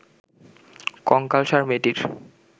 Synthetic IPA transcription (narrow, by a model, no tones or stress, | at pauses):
kɔŋkalʃaɾmeʈiɾ